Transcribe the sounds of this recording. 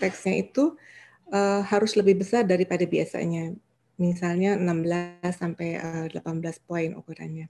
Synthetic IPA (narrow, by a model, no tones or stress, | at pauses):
t̪ɛksɲait̪u | ʔəhaɾʊsləbɪhbəsardaɾipadabiasa̰ɲa | misalɲaənambəlasːampajəədəlapanbəlaspoɪnṵkuɾa̰nɲa